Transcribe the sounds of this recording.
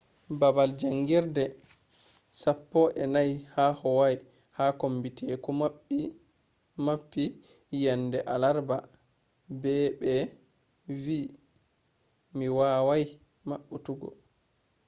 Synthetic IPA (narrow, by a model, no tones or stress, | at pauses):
babald͡ʒaŋɡiɾdɛ | sapːɔʔɛnajhaːhɔwaj | haːkombitʰɛkɔmaɓːi | mapːi | jɛndɛʔalaɾba | bɛbɛ | viː | miwawaj | maɓːutuɡɔ̰